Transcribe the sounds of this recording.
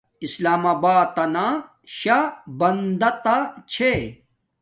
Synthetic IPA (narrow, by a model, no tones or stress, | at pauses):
islaːmaːbaːt̪ːɐna | ɕabɐnd̪ɐt̪at͡ɕʰe